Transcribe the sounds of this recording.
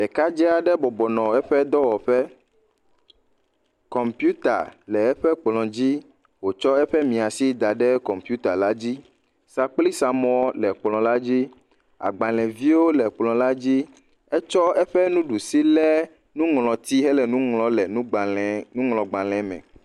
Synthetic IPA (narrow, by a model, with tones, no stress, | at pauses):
ɛ˨ka˦d͡ʒɛ˦a˨ɖɛ˦bɔ˨bɔ˨nɔ̃˨ɛ˦ɸɛ˦d̪ɔ˦wɔ˨ɸɛ˦ | kɔ˨mpju˦t̪a̰˨lɛ˨ɛ˦ɸɛ˦k͡plɔ̃˨d͡ʑi˦ | wo˨t͡ʃɔ˦ɛ˦ɸɛ˦mĩ˨a˨si˦d̪a˨ɖɛ˦kɔ˨mpju˦t̪a˨la˦d͡ʑi˦ | sa˦k͡pli˦sa˨mɔ̃˦ɔ˦lɛ˨k͡plɔ̃˨la˦d͡ʑi˦ | a̰˨ɡ͡ba˨lɛ̃˨vi˦wo˦lɛ˨k͡plɔ̃˨la˦d͡ʑi˦ | ɛ˦t͡ʃɔ˦ɛ˦ɸɛ˦nũ˦ɖu˨si˦lɛ˦ | nũ˦ŋlɔ̃˨t̪i˦ɦɛ˦lɛ˨nũ˦ŋlɔ̃˨lɛ˨nũ˦ɡ͡blnũ˦ŋlɔ̃˨ɡ͡ba˨lɛ̃˨mɛ̰̃˨